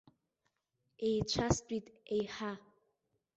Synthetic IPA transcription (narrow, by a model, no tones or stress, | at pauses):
ejt͡ʃʷʰast͡pʷʼitʼejħa